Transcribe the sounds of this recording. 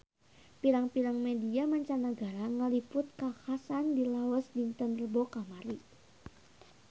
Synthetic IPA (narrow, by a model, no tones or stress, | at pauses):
piɾaŋpiɾaŋmediamaɲt͡ʃanəɡaɾaŋəlipʊt̪̚kahasandilawəsdint̪ənrəbokamaɾi